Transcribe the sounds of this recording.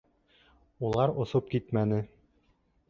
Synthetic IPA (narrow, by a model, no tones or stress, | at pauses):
ulˠɑɾŏsop̚kit̪mænɘ